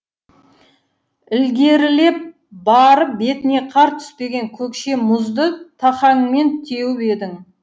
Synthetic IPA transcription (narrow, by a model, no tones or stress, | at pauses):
ɪlɡʲe̞ɾɪle̞p̚ | bɑɾəp̚be̞t̪ɪne̞qʰɑɾt̪ʰʏ̥spe̞ɡʲe̞ŋkʲʰɵkʃe̞mʊzd̪ət̪ʰɑχɑŋme̞nt̪ʰe̞wɪpe̞d̪ɪŋ